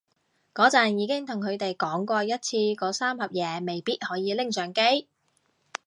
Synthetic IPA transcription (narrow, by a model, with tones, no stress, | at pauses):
kɔː˨˥t͡sɐ˨njiː˨˧kɪ˥ŋt̪ʰʊ˨ŋkʰɵ˨˧ɥt̪e˨jkɔː˨˥ŋkʷɔː˧jɐ˥t̚t͡sʰiː˧kɔː˨˥saː˥mhɐ˨p̚jɛː˨˧me˨jpiː˥t̚hɔː˨˥jiː˨˧lɪ˥ŋsœː˨˥ŋke˥j